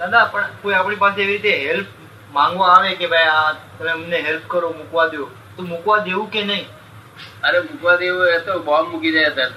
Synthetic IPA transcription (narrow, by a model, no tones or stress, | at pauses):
nanapəɳkoiapɳipaseeʋiɾit̪eɦelp̚ | mãŋɡʋãaʋekebʱajat̪əneməneɦelp̚kəɾomukʋad̪jo | t̪omukʋad̪eũkenəĩ | əɾemukʋad̪eʋuet̪obamukid͡ʒajəse